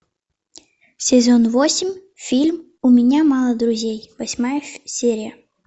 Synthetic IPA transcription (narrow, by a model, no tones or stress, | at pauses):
sʲɪzonvosʲɪmʲ | fʲilʲm | ʊmʲɪnʲamɑlˠəd̪ɾʊzʲejvɐsʲmajəsʲeɾʲɪjə